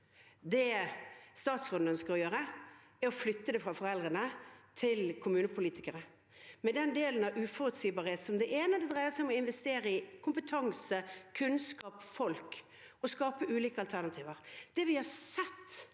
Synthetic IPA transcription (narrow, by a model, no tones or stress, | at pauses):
d̪ɛst̪ɑːt̪sʁɔnənskəɾɔjøːɾə | ɛɾɔflʏt̪ːəd̪ɛfɾɑfɔɾɛld̪ɾənət̪ʰɪlkʰʊmʉːnəpʰʊliːt̪ɪkəɾə | mɛd̪ɛnd̪eːlənɑʔʉfɔʁət̪siːbɑːʁɾheːt̪sɔmd̪ɛʔeːnəd̪ɛd̪ɾʁæɪəsæɪɔmɔɪnʋɛst̪eːɾəɪkʰʊmpət̪ʰɑŋsəkʰʉnskɑːpfɔlk | ɔskɑːpəʉːliːkəɑlt̪ʰæʁnɑt̪ʰiːʋəʁd̪̥ɛʋɪhɑsɛt̪ː